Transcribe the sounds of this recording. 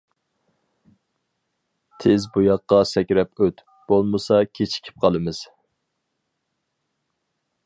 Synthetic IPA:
t̪ʰɪzbujɑqːɑsɛkʲɾɛpøt̪ | b̥olˠmɨsɑkʲʰet͡ʃʰi̥kʲʰi̥p̚qʰɑlˠɨmɨz̥

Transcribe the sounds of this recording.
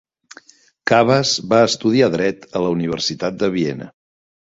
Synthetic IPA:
kaβəzβaəst̪uð̞iaðɾɛt̪ələuniβ̞ə̰rsit̪at̪̚d̪əβiɛnə̰

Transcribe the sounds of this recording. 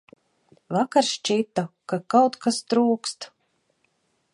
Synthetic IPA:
vakaɾʃt͡ʃit̪akakawt̪kast̪ɾuːkst̪

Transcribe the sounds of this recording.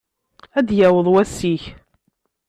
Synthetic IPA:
æd̪jæwəðˤwæsːiç

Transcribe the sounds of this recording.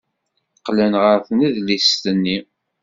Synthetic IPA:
qlənʁəɾθniðlist̪ənːi

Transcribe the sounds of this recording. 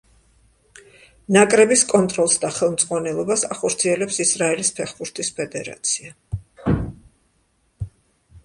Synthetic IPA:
nakʼɾɛbiskʼɔnt̪ʼɾɔlˠsd̪aχɛlˠmt̪ʼqʼwanɛlˠɔbasaχɔɾt̪sʰiɛlɛpsisɾaɛlispʰɛχbuɾt̪ʰispʰɛd̪ɛɾa̰t̪sʰia

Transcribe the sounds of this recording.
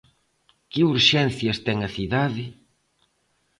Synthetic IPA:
kɪuɾʃɛn̟θjɐst̪ɛŋɐθiðaðɪ

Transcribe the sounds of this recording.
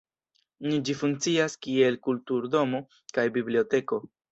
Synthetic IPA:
nid͡ʒifuŋk̚t͡siaskie̞lkultuɾdo̞mo̞ | kajbiblio̞te̞ko̞

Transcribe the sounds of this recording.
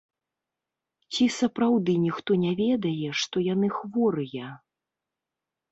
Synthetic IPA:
t͡sʲisɐpɾawd̪ɨnʲixt̪ɔnʲɛvʲɛd̪ɐjɛʂt̪ɔjanɨxvɔɾɨjɛ

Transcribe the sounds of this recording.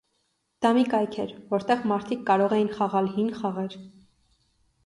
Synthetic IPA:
d̪̥ɑmikɑjkʰɛɾvɔɾt̪ɛʁmɑɾt̪ʰikːɑɾɔʁɛjinχɑʁɑlhinχɑʁɛɾ

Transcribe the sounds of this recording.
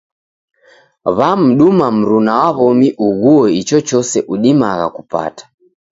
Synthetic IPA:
βam̩ɗumam̩ɾunawaβɔmiʔuɣuɔit͡ʃɔt͡ʃɔsɛʔuɗimaɣa̰kupa̰tḁ

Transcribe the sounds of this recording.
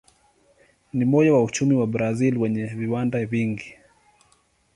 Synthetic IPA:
nimɔʄawaut͡ʃumiwabɾazilwɛɲɛviwandaviŋɡi

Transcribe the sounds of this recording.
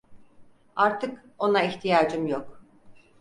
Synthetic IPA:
aɾt̪ʰɯk | o̞naiçt̪ʰijaːd͡ʒɯmjok

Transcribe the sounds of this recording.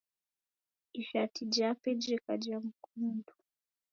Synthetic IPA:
iʃatid͡ʒapɛd͡ʒɛkad͡ʒam̩kundu

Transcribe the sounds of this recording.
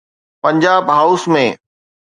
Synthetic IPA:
pɐ̃ɲd͡ʑaːbɦaːʊsmẽː

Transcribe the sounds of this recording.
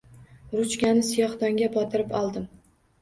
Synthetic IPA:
ɾʊt͡ʃkʲanɪsijɒχd̪ɒŋɡʲabɒt̪ʰɪɾɪpɒlˠd̪ɪm

